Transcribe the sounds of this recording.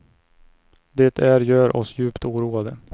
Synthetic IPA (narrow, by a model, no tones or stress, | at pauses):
d̪ɛːt̪ʰæɾjœːɾʔɔ̰sjʉ̟ːpt̪uːɾuːad̪ə